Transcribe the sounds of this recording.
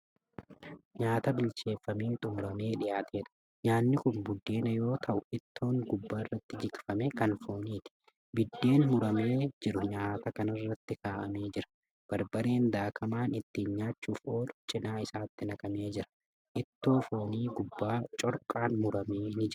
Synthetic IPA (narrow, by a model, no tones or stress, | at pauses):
ɲaːt̪ɐbɪlt͡ʃe̞ːfːɐmiːt̪ʼʊmɾɐme̞ːᶑɪjaːt̪ʰe̞ːᶑ̪ɐ̥ | ɲaːnːɪkʊnbʊd̪ːe̞ːnɐjo̞ːt̪ʰɐʔʊʔɪt̪ʰːo̞ːŋɡʊbːaːɪrːɐt̪ːɪd͡ʒɪkfɐmeːkɐnfo̞ːniːt̪ɪ̥ | bɪd̪ːe̞ːnmʊɾɐme̞ːd͡ʒɪɾʊɲaːt̪ɐkɐnɐrːɐt̪ːɪkaːʔɐ̰me̞ːd͡ʒɪɾɐ̥ | b̥ɐɾbɐɾe̞ːnd̪aːkʰɐmaːnɪt̪ːiːnɲaːt͡ʃːuːfo̞ːlʊt͡ʃʼɪnaːɪsaːt̪ːɪnɐkʼɐme̞ːd͡ʒɪɾɐ̥ | ʔɪt̪ːoːfo̞ːniːɡʊbːaːt͡ʃʼɔɾkʼaːnmʊɾɐmeːnɪd͡ʒɪɾɐ